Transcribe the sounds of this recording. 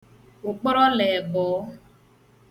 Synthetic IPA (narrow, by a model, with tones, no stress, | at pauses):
ʊ˨k͡pɔ˦ɾɔ˦lɛ˨bɔː˨˦